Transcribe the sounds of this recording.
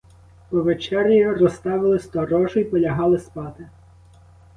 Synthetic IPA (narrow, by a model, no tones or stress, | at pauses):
pɔʋet͡ʃɛrʲjʲirɔst̪ɑʋɪlˠɪsʲt̪ɔrɔʒʊjipɔlʲɐɦɑlˠɪspɑt̪ɪ